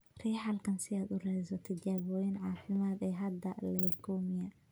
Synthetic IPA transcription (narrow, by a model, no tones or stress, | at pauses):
riːħɐlkʰɐnsɪaːd̪ʊrɛsɔt̪ʰɐt͡ʃaːβɔːjɪnʕɑːfɪmaːd̪ɛːɦɐd̪ɐlɛjkʰɔːmɪjɐ